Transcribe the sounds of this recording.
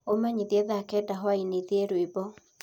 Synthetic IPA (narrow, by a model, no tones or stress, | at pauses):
omaɲiðiɛðakɛdaɦwaineðiɛɾwibɔ